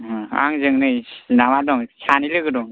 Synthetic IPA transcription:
a̰ŋzɯŋnɯjinamadɔŋsanilɯɡɯdɔŋ

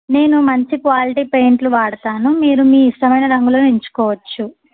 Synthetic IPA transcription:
ne̞ːnumɐɲt͡ʃikʋaːliʈiːpeːɳʈluʋaːɽɐt̪aːnumiːɾumiːiʂʈɐmɐjnɐɾɐŋɡulɐːnuiɲt͡ʃu̥kɔːʋɐt͡ʃːu

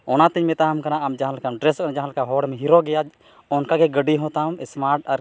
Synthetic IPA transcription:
ɔnat̪iɲmɛt̪aɦmkanaamd͡ʒaɦãlkamɖɾɛskanad͡ʒaɦãlkaɦɔɽmɛɦiɾɔɡɛjad͡ʒ | ɔnkaɡɛɡəɖiɦɔ̃t̪aɦumɛsmaɾʈaɾ

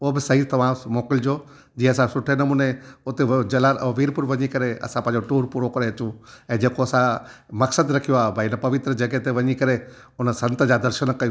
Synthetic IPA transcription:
obɪsɐɦit̪ɐʋ̤ãːmoːkɪld͡ʑoː | d͡ʑiːɐsãsʊʈʰenɐmuːneʊt̪ed͡ʑɐlaʋiːɾpʊɾʋɐɲikɐɾeɐ̰sãpɐ̃ɦd͡ʑoʈuːɾpuːɾokɐɾeɐt͡ɕũɛ̃ːd͡ʑeːkoɐsã | mɐksəd̪ɾɐkʰijoaːɦbʱainəpɐʋɪt̪ɾəd͡ʒɐɡɦet̪eʋɐɲikɐɾe | ʊnsɐ̃nt̪d͡ʑad̪ɐɾʃənkɐju

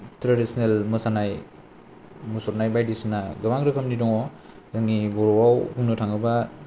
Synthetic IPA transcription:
tɾadisɔnelmɯsanaj | musɔɾnajbajdisnaɡɯbaŋɾɯkʰɯmnidɔŋɔ | zaŋibɔɾɔwawbuŋnɯtʰaŋɯba

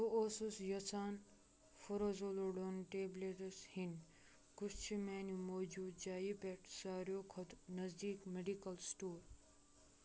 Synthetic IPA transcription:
t̪ooːsusjɐsaːn | foɾozoloɖonʈeːbleʈɐshin | kust͡ʃʰimeːnumoːd͡ʒuːd͡ʒaːjipeʈsaːɾjoːkʰɐt̪nɐzd̪iːkmeɖikɐlsʈuːɾ

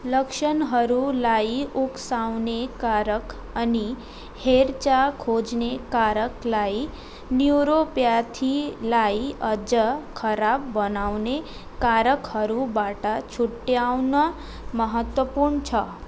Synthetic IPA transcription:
ləkʃənɦəɾulaiuksawnekaɾək | əni | heɾt͡ʃakʰod͡ʒnekaɾəklai | njuɾopjat̪ʰilaiəd͡ʒəkʰəɾabːənawne | kaɾəkhəɾubaʈat͡ʃʰuʈːjawnə | məɦət̪wəpuɾɳt͡ʃʰə

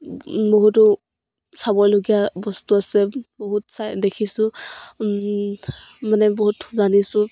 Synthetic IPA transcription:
boɦutʊ | sabɔjloɡijabɔstuasɛboɦutsadekʰisʊ | manɛboɦutzanisʊ

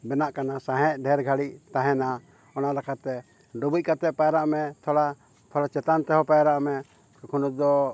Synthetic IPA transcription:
bɛnaʔkanasãɦɛ̃ʔɖʱɛɾɡʱaɽiʔt̪ãɦɛna | ɔnalakʰat̪ɛ | ɖɔbuc̚kat̪ɛʔ̚pajɾaʔmɛt̪ʰɔɽa | t̪ʰɔɽat͡ʃɛt̪ant̪ɛɦɔpajɾaʔmɛ | kkʰunud̪ɔ

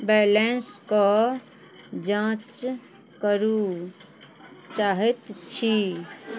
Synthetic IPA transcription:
bɛlenskɔ | d͡ʒãt͡ʃ | kəɾu | t͡ʃaɦet̪t͡ʃʰi

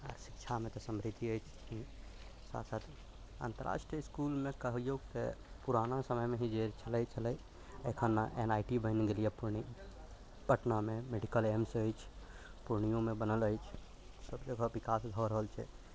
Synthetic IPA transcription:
ə̰ɾsi̥k̚t͡ʃʰamẽt̪ɔsəmɾid̪iəjt͡ʃʰkĩ | sa̰ːt̪sat̪ʰ | a̰nt̪əɾa̰ʃʈiəɪskulmẽkəɦjoɡt̪ḛpuɾanasəməjmẽɦĩd͡ʒeɾt͡ʃʰələjt͡ʃʰələj | ə̰kʰənːaʔḛnaːjʈibəɪnɡelijepuɾɳi | pəʈnamẽmeɖikəlemsəjt͡ʃʰ | puɾɳijõmẽbənələjt͡ʃʰ | səbd͡ʒəɡʱəbikasd̪ʱɔɾəɦəlt͡ʃʰɛ̰

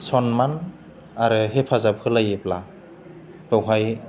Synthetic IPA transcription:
sʰɔnman | aɾɯɦepʰazap̚kʰɯlajepla | b̥ɯwɦaj

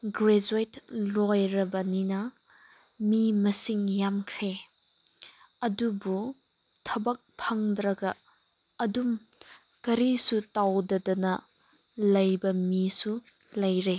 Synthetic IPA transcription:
ɡɾezuitlojɾɐbɐninɐ | mimɐsiŋjamkʰɾe | ɐdubu | tʰɐbɐk̚pʰɐŋdɾɐɡɐː | dum | kɐɾisutawdɐdɐnɐ | lɐjbɐmisu | lɐjɾe

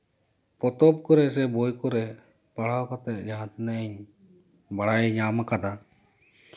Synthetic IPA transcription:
pɔt̪ɔp̚kɔɾɛs̬ɛbojkɔɾɛ | paɽ̤awkɔt̪ɛt̚ˀd͡ʒaat̪nɛʔɛɲ | baɽajɲamakad̪a

